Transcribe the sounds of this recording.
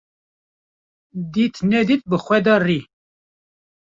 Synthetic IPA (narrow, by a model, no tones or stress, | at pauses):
d̪it̪nɛd̪it̪̚bɨxʷɛd̪ɑri